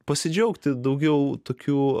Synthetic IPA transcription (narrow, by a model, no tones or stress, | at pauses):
pɐsʲɪd͡ʒʲɛʊkt̪ʲɪd̪ɐʊɡʲɛʊt̪oːkʲuː